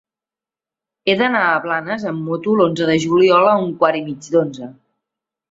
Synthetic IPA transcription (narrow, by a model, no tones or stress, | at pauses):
eðənaəβlanəzəmːot̪ulonzəðəʒuliɔləuŋkwaɾimid͡ʒd̪onzə